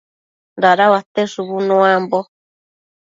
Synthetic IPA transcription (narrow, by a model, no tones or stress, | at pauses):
daɾawat̪eʂuβunõambo